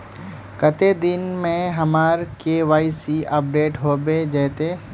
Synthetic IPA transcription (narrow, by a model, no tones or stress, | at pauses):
kət̪ed̪ɪnmẽɦɐmaːɾkeʋaːisiʔɐp̚ɖeːʈɦoːbed͡ʒɛːt̪e